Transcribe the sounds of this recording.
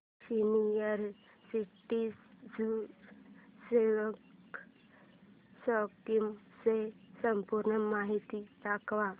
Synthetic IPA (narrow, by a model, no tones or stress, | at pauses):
sinijəɾ | siʈisd͡zu | seʋək | sɔkkimsesəmpuɾɳəmaɦit̪it̪akʋa